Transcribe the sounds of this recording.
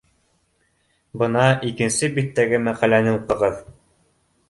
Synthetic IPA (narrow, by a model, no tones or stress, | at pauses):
bɤ̆nɑʔikɘ̆nsɘbit̪ːæɡɘmæqælænɘuqːɤ̆ʁɤð